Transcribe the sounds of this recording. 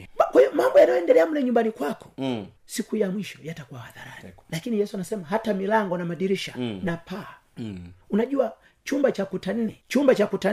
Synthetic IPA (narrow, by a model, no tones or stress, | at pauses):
kwaiɔmambɔjanajɔɛndɛlɛamulɛɲumbanikwakɔ̥ | sikujamwiʃɔjatakuwahaðaɾa̰nilakinijɛsuanasɛmaɦatamilaŋɡɔnamaɗiɾiʃa̰napʰa | unaʄua | t͡ʃumbat͡ʃakutan̩nɛt͡ʃumbat͡ʃakuta